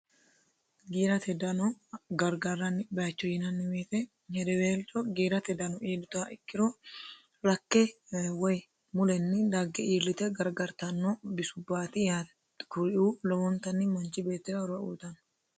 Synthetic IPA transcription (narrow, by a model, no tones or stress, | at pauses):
ɡiːɾɐt̪ɛd̪ɐnɔɡɐɾɡɐɾːɐnːɪbɛjɐt͡ʃːɔjɪnɐnːɪweːt̪ɛ | hɛd̪ɛweːlt͡ʃʼɔɡiːɾɐt̪ɛd̪ɐnɔʔeːdɪt̪ʊaʔɪkʼːɪɾɔ | ɾɐkːɛwɔj | mʊlɛnːɪd̪aɡːɛiːlːɪt̪ɛɡɐɾɡɐɾt̪ɐnːɔbɪsʊbːaːt̪ɪjaː | kʊɾɪʔuːlɔwɔnt̪ɐnːɪmɐnt͡ʃːɪbe̞ːt̪ːɪɾɐɾɐuːt̪ɐn